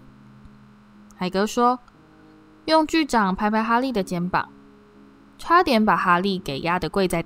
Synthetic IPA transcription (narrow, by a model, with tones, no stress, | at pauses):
xa˨˩ɪkɤ˧˥ʂwɔ˥ | jʊ˥˧ŋt͡ɕy˥˩ʈ͡ʂɑ˨˩ŋpʰa˧˥ɪpʰa˥ɪxa˥li˥˨˩d̪ə˩t͡ɕjɛ˧˥npɑ̰˨˩˦ŋ | ʈ͡ʂʰwa˥t̪jɛ˧˥npa˨˩xa˥li˥˩ke˨˩ɪjʔa˦˥d̪ə˨kwe˥˧ɪt͡sa˥˩ɪ